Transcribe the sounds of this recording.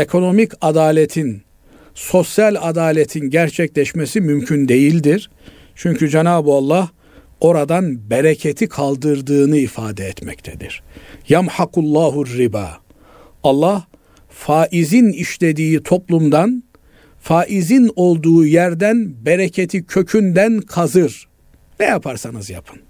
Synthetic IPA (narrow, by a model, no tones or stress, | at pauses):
ekʰo̞no̞micad̪aːlʲet̪ʰin | so̞sjalʲad̪aːlʲet̪ʰinɟæɾt͡ʃʰɛclʲɛʃmesimymcʰynd̪e̞jilʲd̪iɾ̥ | t͡ʃʰyɲcyd͡ʒenaːbualˠːah | o̞ɾad̪anbeɾecʰet̪ʰikʰalˠd̪ɯɾd̪ɯːnɯifaːd̪ɛɛt̪mɛc̚t̪ʰɛd̪ḭɾ̥jamħaqulˠːaːɦurːiba̰ː | ɑlˠːah | faːʔiziniʃlʲe̞d̪iːt̪ʰo̞plˠumd̪an | faːʔizino̞lˠd̪uːjæɾd̪ænbeɾecʰet̪ʰicʰø̞cʰynd̪ænkʰazɯɾ̥ | nɛjapʰaɾsanɯzja̰pʰɯ̥n